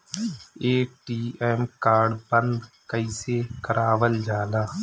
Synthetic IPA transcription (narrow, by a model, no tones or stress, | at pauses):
eːʈiːemkaːɾɖbənd̪ | kəiːseːkəɾʔaːʋəld͡ʒaːlaː